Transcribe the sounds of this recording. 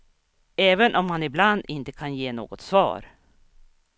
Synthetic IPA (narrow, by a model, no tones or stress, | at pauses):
ɛːvənʔɔmhanɪbland̪ɪnt̪ə̥kʰanjeːno̰ːɡɔt̪svɑ̰ːɾ